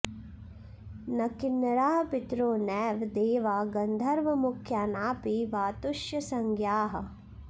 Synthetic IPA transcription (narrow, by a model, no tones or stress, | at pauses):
nɐkɪnɾaːɦpɪt̪ɾoːnɛːʋd̪eːʋaːɡɐnd̪ʱɐɾʋɐmʊkʰjaːnaːpiʋaːt̪ʊʃjɐsɐŋɡjaːɦɐ̆